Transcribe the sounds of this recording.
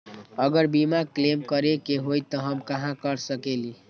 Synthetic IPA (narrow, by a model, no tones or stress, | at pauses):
əɡəɾbimaklemkəɾekeɦojt̪ɔɦəmkəɦãkəɾsəkeli